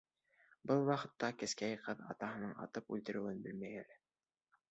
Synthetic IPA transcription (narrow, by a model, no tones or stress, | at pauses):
bɤlˠwɑqɤ̆t̪ːɑkɘ̆skæjqɤðɑ̰t̪ɑɦɤ̆nɤɴɑ̰t̪ɤpʉ̰lt̪ɘ̆ɾɘ̆wɘnbɘlmæjælæ